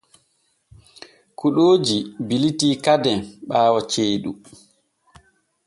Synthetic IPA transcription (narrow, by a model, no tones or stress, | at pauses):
kuɗoːd͡ʒibilitiːkadɛnɓaːwat͡ʃeːɗṵ